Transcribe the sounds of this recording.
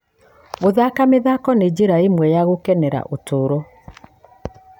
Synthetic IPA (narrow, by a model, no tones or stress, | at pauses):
ɣoðakameðakɔned͡ʑeɾaemwɛjaɣokɛnɛɾa̰ʔotoɾɔ